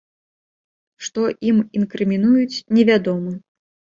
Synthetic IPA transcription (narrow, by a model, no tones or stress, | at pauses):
ʂt̪ɔʔiminkɾɨmʲinujut͡sʲnʲɛvʲad̪ɔmɨ